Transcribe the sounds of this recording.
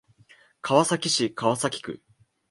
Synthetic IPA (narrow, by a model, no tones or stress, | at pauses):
kʰaβasakʲiɕikaβasakʲi̥kɯ̟̰